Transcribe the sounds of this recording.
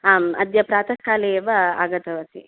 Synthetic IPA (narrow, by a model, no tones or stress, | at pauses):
aːmɐ̰d̪jɐpɾaːt̪ɐkːaːleʋɐa̰ːɡɐt̪ɐʋɐsḭ